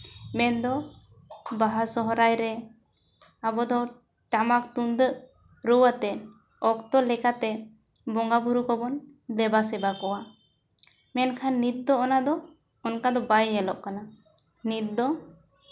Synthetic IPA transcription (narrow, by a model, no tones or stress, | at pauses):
mɛnd̪ɔ | baɦasɔɦɔɾajɾɛ | abɔd̪ɔ | ʈamak̚t̪und̪əʔ | ɾɔwat̪ɛ | ɔkt̪ɔlɛkat̪ɛ | bɔŋɡabuɾukɔbɔn | lɛbasɛbakɔwa | mɛnkʰanːit̪̚d̪ɔɔnad̪ɔ | ɔnkad̪ɔbajɲɛlɔʔkana | nit̪̚d̪ɔ